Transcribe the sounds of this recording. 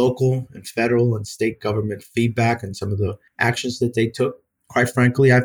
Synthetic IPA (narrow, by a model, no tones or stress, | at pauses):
oʊkl̩ˠɨ̃nfɛɾə˞l̩ˠə̃nsteɪt̚ɡ̥ʌvə˞mɨ̃ntfid̚bækɨ̃nsʌ̃mʌvði | ʔækʃɨ̃nzðɨt̪̚ðeɪtʰʊk̚ʰ | w̥aɪtfɹæ̃ŋkliaɪ